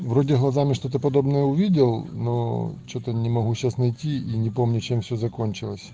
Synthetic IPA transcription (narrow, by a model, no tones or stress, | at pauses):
vɾodʲɪɦlˠɐzamʲɪʂt̪ot̪̬əpɐd̪obnəjəʊʋʲidʲɪlˠnot͡ɕot̪ənʲɪmɐɦuɕasnɐjtʲiinʲɪpomnʲʊt͡ɕemfsʲozɐkonʲt͡ɕɪlˠəsʲ